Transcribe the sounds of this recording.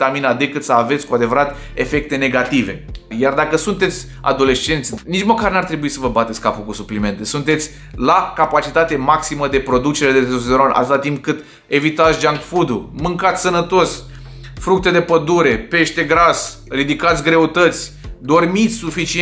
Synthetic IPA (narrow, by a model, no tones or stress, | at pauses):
t̪aminad̪e̞kɨt̪səave̞t̪sʲkuad̪e̞vəɾat̪ | e̞fe̞k̚t̪e̞ne̞ɡat̪ive̞̰jard̪akəsunt̪e̞t̪sʲ | a̰d̪o̞le̞st͡ʃe̞nt̪sʲnit͡ʃməkarnart̪ɾe̞buisəvəbat̪et̪sʲkapukusuplime̞nt̪e̞sunt̪e̞t̪sʲ | lakapat͡ʃit̪at̪e̞maksiməd̪e̞pɾo̞d̪ut͡ʃe̞ɾed̪euszeɾonʔa̰t̪ɨt̪at̪impkɨt̪ | e̞vit̪at̪sʲd͡ʒaŋɡfud̪umɨŋkat̪sʲsənət̪o̞s | fɾuk̚t̪e̞d̪e̞pəd̪uɾe̞pe̞ʃt̪e̞ɡɾas | rid̪ikat̪sʲɡɾe̞ut̪ət̪sʲ | d̪o̞rmit̪sʲsufit͡ʃi